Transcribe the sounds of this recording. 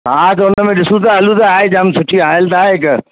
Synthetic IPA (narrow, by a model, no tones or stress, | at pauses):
ɦãt̪̬ɐʊnəmẽɗɪsũt̪̬aɐlut̪aaːɦed͡ʑamsʊʈʰiɦaːɪlt̪aːeɦɪk